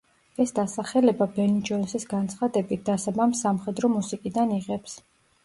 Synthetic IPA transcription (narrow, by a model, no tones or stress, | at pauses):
ɛsd̪asaχɛlɛbabɛnid͡ʒɔnsisɡant̪sʰχad̪ɛbit̪̚ʰd̪asabamsːamχɛd̪ɾɔmusikʼid̪aniʁɛps